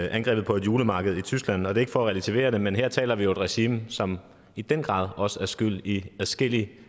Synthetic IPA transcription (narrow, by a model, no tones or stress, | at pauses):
ʔænɡ̥ʁɛ̰ːbð̩ˠpʰɒ̽e̝d̥juːləmɑ̈ːɡ̥əð̞̩ˠit͡sʰysɡ̥læn̰ɒ̽d̥e̝e̝ɡ̥fɒ̽ɒʁɛlæt͡sʰiʋe̝̰ːɐɾ̥e̝menɦeɐ̰t͡sʰɛ̰ːlɐʋijo̝ed̥ʁɛɕiːmsɒ̽m | id̥enɡ̥ʁɑ̰̈ːðˠɒ̽səæɐsɡ̥yl̰iæsɡ̥el̰i